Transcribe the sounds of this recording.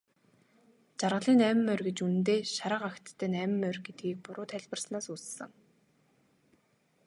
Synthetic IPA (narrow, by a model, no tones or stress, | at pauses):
t͡ɕarʁə̆ɮiːnæːm̆mːœrɡet͡ɕunɘ̆nt̪eːʃaɾə̆ːqakt̪ʰːæːnæːm̆mːœrɡet̪̚ɡiːk̚pʊɾʊːt̪ʰæɮʲpə̆rsnaːsuːsːɘ̆ŋ